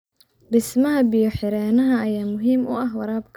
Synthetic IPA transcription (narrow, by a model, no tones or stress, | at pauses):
dɪsmɐɦɐbijɔħɪɾɛːnɐɦɐɐjaːmʊɦiːmʊ̰ʔɐɦwɐɾaːbkʰ